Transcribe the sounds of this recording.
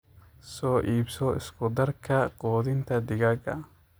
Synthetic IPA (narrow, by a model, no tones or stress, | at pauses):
sɔːʔiːbsɔɪ̰skʰʊd̪ɐrkʰɐqɔːðɪnt̪ʰɐd̪ɪɣɐɡɐ̰